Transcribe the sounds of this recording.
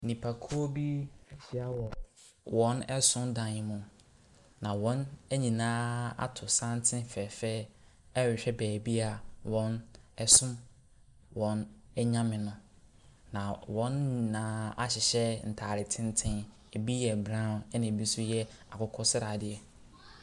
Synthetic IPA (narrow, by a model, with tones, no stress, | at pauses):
nĩ˨pʰa˨kʰu˦o˦bi˦ɕɪ˨a˦wɔ˨ | wɔ̃˦nɛ˦sʊ̃˦mdã˨˦mʊ̃˨ | nã˨wɔ̃˦nɛ˦ɲĩ˨nãː˦a̰˦tʰʊ˨sã˦n˦tʰɪ̃˦fɛ˨fɛ˦ | ɛ˦ɥɪ˨ɕᶣɛ˦bɛː˨bi˦a˨wɔ̃˨˦nɛ˦sʊ̃˦m | wɔ̃˨nɛ˦ɲã˦mɪ̃˨nʊ̃˨ | nã˨wɔ̃˦nɲĩ˨nãː˦a̰˨ɕɪ˨ɕɛ˦n̩˨tʰaː˨ɾɪ˨tʰɪ̃˦n˦tʰɪ̃˦n | e˨bi˦jɛ˨bɾã˦˨ɛ˦nɪ̃˨bi˦sʊ˦jɛ˦ | a˨kʊ˦kʰɔ˦sɪ˦ɾa˨dɪ˨ɛ˨